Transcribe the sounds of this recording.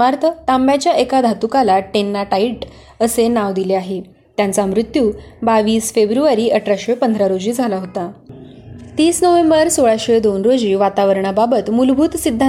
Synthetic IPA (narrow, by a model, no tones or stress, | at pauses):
maɾt̪ʰət̪ambjat͡ɕjaʔekad̪ʱat̪ukalaʈenːaʈaiʈ | əsenaʋd̪ileaɦe | t̪jant͡samɾut̪juːbaʋiːsfebɾuʋaɾiːʔəʈʰɾaɕepənd̪ʱɾaɾod͡ʑiːd͡zʱalaɦot̪a | t̪iːsnəʋembəɾsoɭaɕed̪onɾod͡ʑiːʋat̪aʋəɾɳababət̪mulbʱuːt̪sid̪ʱːa